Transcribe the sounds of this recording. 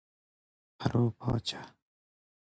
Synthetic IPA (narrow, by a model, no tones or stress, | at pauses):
hɐɾoːpɔ̰ːt͡ɕḁ